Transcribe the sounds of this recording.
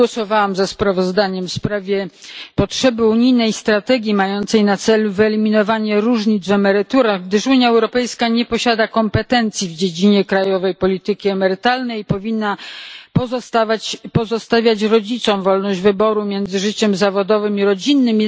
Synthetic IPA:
wɔsɔvawamzaspɾavɔzd̪aɲɛmfspɾavʲjɛpɔtʂɛbɘuɲijnɛjst̪ɾat̪ɛɡʲjimajɔnt̪sɛjnat̪sɛluvɘɛlʲimʲinɔvaɲɛɾuʐɲid̪zvɛmɛɾɘt̪uɾaɣɡd̪ɘʂuɲjaɛwɾɔpɛjskaɲɛpɔɕad̪akɔmpɛt̪ɛnt̪sʲjivd͡ʑed͡ʑiɲɛkɾajɔvɛjpɔlʲit̪ɘkʲiɛmɛɾɘt̪alnɛjpɔvʲinːapt̪avapɔzɔst̪avʲjat͡ɕɾɔd͡ʑit̪sɔ̃w̃vɔlnɔʑd͡ʑvɘbɔɾumʲjɛnd̪zɘʐɘt͡ɕɛmzavɔd̪ɔvɘmiɾɔd͡ʑinːɘm

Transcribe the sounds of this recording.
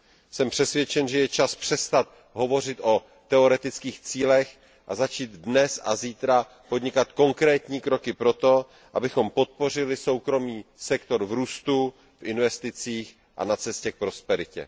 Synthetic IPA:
sɛmpr̥ɛsvjɛt͡ʃɛnʒɛjɛt͡ʃaspr̥ɛst̪at̪̚ | ɦo̞vo̞r̝ɪt̪ʔo̞ | t̪ɛo̞ɾɛt̪ɪt͡skiːxt͡siːlɛx | ʔazat͡ʃiːd̪dnɛsa̰ziːt̪ɾa | po̞d̪ɲɪkat̪ko̞ŋkɾɛːt̪ɲiːkɾo̞kɪpɾo̞t̪o̞ | ʔa̰bɪxo̞mpo̞t̪̚po̞r̝ɪlɪso̞wkɾo̞miːsɛkt̪o̞ɾvɾuːst̪u | fʔɪnvɛst̪ɪt͡siːx | ʔa̰nat͡sɛscɛk̚pɾo̞spɛɾɪcɛ̰

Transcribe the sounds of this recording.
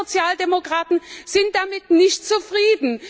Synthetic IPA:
ot͡sjaːldemokʁ̥aːtn̩z̥ɪnt̚d̥amɪtnɪçtt͡sufʁ̥iːdn̩

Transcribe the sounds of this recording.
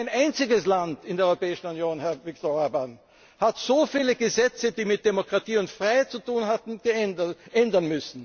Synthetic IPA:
ɪnʔaɪnt͡sɪɡəslantɪndeɛɐɔʏopɛːɪʃn̩unjoːnhɛɐvɪk̚toaban | hatz̥oːfiːləɡəzɛt͡sədiːmɪt̚d̥emokʁatiːʊntfʁaɪɦhaɪt̚t͡sutuːnɦatn̩ɡ̥ʔɛndɐnmʏsn̩

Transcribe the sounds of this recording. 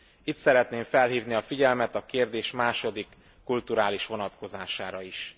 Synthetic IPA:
it̪sɛɾɛt̪neːɱfɛlɦiːvniɒfiɟɛlmɛt̪ɒkeːrd̪eːʃmaːʃo̞d̪ikː | ult̪uɾaːliʃʋo̞nɒt̪ko̞zaːʃaːɾɒiʃ

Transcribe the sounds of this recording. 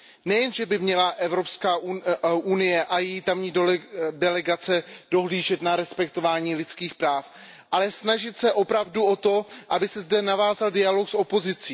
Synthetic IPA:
nɛjɛnʒɛbɪmɲɛlaʔɛvɾo̞pskaːʔuʔunɪjɛʔajɛjit̪amɲiːdɛlɛɡat͡sɛdo̞ɦliːʒɛt̪naɾɛspɛkt̪o̞vaːɲiːlɪt͡skiːxpɾaːf | ʔalɛsnaʒɪt̪sɛʔo̞pɾavduo̞t̪o̞ʔabɪsɛzdɛnavaːzaldɪalo̞kso̞po̞zɪt͡siː

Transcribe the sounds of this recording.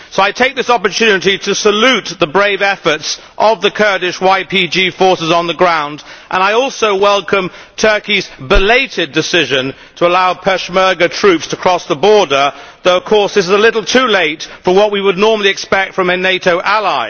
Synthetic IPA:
soʊaɪtʰeɪk̚ðɪsɑpə˞tʰʉnɨɾiɾɨsəlʉt̪̚ðəbɹeɪvɛfə˞ts | ʔʌvðɨkʰɜ˞ɾɨʃwaɪpʰid͡ʒifɔɹsɨzn̩ðəɡɹãʊ̃ndʔə̃ñaɪɔlˠsoʊwɛlˠkə̃m | tʰɜ˞kizbəleɪɾɪdɨsɪʒɨ̃n | tʰəəlaʊpʰɛʃmɜ˞ɡɨtʰɹ̥ʉpstʰəkʰɹ̥ɔsðəbɔɹdə˞ðoʊʌv̥kʰɔɹsðɪsɨzəlɪɾl̩ˠtʰʉleɪtfɹʌ̃mwʌt̚wiwədⁿnɔɹml̩ˠiɨkspɛk̚tfɹʌ̃mɨneɪɾoʊʔælaɪ

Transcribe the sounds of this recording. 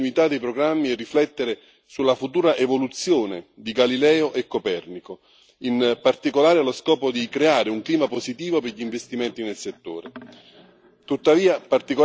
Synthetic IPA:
uit̪ad̪ːejpɾoɡɾamːiɛrːiflɛt̪ːeɾe | sulːafut̪uːɾaʔevolut̪sːjoːned̪iɡalilɛːoʔekːopɛrniko | inpart̪ikolaːɾealoskɔːpod̪ikɾeaːɾeuŋkliːmapozit̪iːvopeʎiɱvest̪imɛnt̪inelset̪ːo̰ːɾe | t̪ut̪ːaviːapart̪iko

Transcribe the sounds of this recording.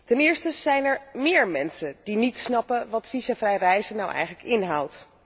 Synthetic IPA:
tɛnɪːɹstəz̥ɛjnɛɹmɪːɹmɛnsədinitsnɑpənʋɑtfisafrɛjrɛjzənawʔɛ̰jχələkɪnɦɑwt

